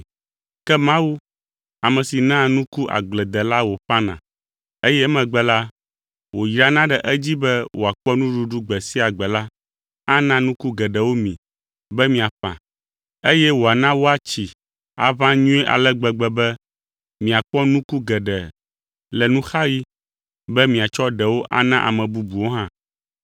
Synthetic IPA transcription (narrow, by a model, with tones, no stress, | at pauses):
kɛ˦mã˦wu˦ | a˨mɛ̃˨si˨nã˦nũ˦ku˦ʔa̰˨ɡ͡blɛ˨d̪ɛ˨la˦wo˨ɸã˦nã̰˨ | e˦jɛ˦mɛ̃˨ɡ͡bɛ˨la˦ | wo˨jɾa˨nã˦ɖɛ˨ʔɛ˦d͡ʑi˦bɛ˦wʔo˨a˨k͡pɔ˦nũ˦ɖu˨ɖu˦ɡ͡bɛ˨si˦a˨ɡ͡bɛ˨la˦ | a˦nã˦nũ˦ku˦ɡɛ˨ɖɛ˨wo˦mĩ˨ | bɛ˦mĩ˨a˨ɸã̰˨ | e˦jɛ˦wo˨a˨nã˦wo˦a˨t͡ɕi˨ | a̰˨vã˦ɲũ˦ɛ˦ʔa̰˨lɛ˦ɡ͡bɛ˨ɡ͡bɛ˨bɛ˦ | mĩ˨a˨k͡pɔ˦nũ˦ku˦ɡɛ˨ɖɛ˨ | lɛ˨nũ˦xa˦ji˦ | bɛ˦mĩ˨a˨t͡ʃɔ˦ɖɛ˨wo˦ʔa̰˦nã˦ʔa̰˨mɛ̃˨bu˦bu˨wo˦ɦã˦